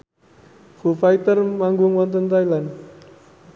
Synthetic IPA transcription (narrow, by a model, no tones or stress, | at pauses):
fufajt̪ərmaŋɡʊŋwɔnt̪ənt̪ajland